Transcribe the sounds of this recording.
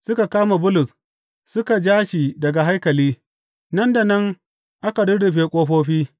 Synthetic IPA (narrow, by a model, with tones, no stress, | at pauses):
sʊ˦ka˨kaː˦ma˨bʊ˦lʊ˨s | sʊ˦ka˨d͡ʒaː˦ʃiː˨dɐ˨ɡa˨ɦa˦jkɐ˨liː˦ | nɐ˦nda˨nɐ˦ŋ | ʔa˦ka˨dʊ˦ɽɪ˨ɸeː˨kʷʼoː˦ɸoː˦ɸiː˦